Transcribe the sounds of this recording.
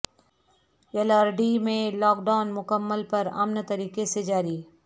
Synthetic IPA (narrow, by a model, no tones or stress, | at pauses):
ɛləɾɖimẽlɔːkɖaːʊnmʊkəmːəlpɐɾɐ̰mnt̪ɐɾiːkesed͡ʒaːɾi